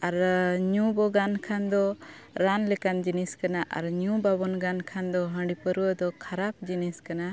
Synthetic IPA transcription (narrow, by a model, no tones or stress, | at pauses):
aɾɲũbɔɡankʰand̪ɔ | ɾanlɛkand͡ʒiniskanaʔa̰ɾɲũbabɔnɡankʰand̪ɔɦə̃ɳɖipəɾuwəd̪ɔkʰaɾap̚d͡ʒiniskana